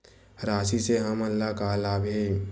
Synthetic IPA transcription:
ɾaːsiseɦɐmɐlːakaːlaːbʱeː

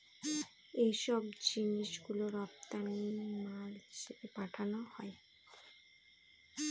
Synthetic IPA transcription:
ejʃɔbd͡ʑiniʃɡuloɾɔp̚t̪animaɾd͡ʑeepaʈʰanohɔe

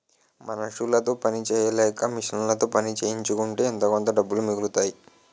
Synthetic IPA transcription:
mɐnɐʂulɐt̪o̞ːpɐnit͡ʃɛːjɐlɛːkɐmiʂɐnlɐt̪o̞ːpɐnit͡ʃeːjiɲt͡ʃukuɳʈeːnt̪okont̪ɐɖɐbːulumiɡulut̪aːji

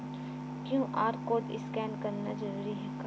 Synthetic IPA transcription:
kjũːʔaːɾkoːʈɪ̰skɛːnkɐɾnad͡ʒɐɾuːɾiɦɛːka

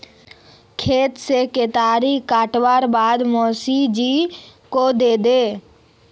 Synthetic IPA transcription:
kʰeːt̪seket̪aːɾikaːʈwaːɾbaːd̪mɔːsid͡ʒikod̪eːd̪eː

